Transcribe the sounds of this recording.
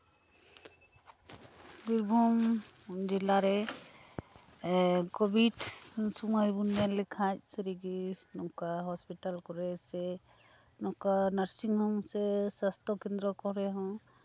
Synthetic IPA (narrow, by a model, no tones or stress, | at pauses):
biɾbʱumd͡ʒilaɾɛ | kɔbʱidsumɔjbunɛlɛkʰac̚siɾiɡinɔkaɦɔspiʈalkɔɾɛsɛ | nɔkanaɾsiŋhɔmsɛsast̪ʰɔkɛnd̪ɾɔkɔɾɛɦɔ̃